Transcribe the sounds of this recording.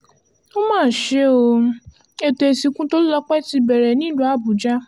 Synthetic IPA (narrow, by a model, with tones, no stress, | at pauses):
o˦mãː˦˨ʃe˦o˧ | e˧te˨si˧kũ˦to˦lɔ˧k͡pɛ˦ti˧bɛ˨ɾɛ˨nĩ˨˦lũ˦a˦˨bu˨d͡ʒa˦